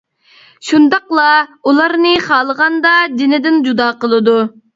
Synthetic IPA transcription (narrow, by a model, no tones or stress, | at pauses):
ʃund̪ɑqlˠɑulˠɑɾnɨχɑːlˠəʁɑnd̪ɑd̪ɪnɪd̪ɪnd͡ʒud̪ɑːqəlˠɨd̪u